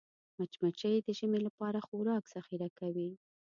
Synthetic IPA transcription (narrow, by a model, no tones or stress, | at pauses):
mat͡ʃmat͡ʃəjd̪əʒəmelapɑɾaxoɾɑkz̥axiɾakawi